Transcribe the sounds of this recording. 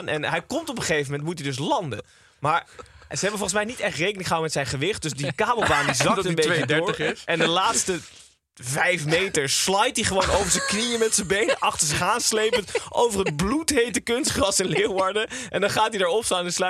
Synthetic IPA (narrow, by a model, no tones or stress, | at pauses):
nʔɛ̰nɦɛjkɔmtɔpəχejvəmɛntmutidɵs̬lɑndə̰ | maːɹzəɦɛbəvɔlˠχənsmɛjnitɛrχtrejkənɪ̃ŋχəɦawəmɛtsɛjnχəʋɪχt̚dɵsdikaːbəlˠbaːndizɑkəəmbejədʊːɹɪsɛndəlaːtstə | vɛjfmejtəɹslɑjt̚diχəʋownowvəɹzəknijəmɛtsəbejnəʔɑχtəɹzəχaːnslejpəntʔo̰wvəɹɦəd̚blutɦejtəkʏnstχrɑsɛnlewʋɑɹdəʔɛndɑnχaːtidaːɹɔpstaːnɛnslœ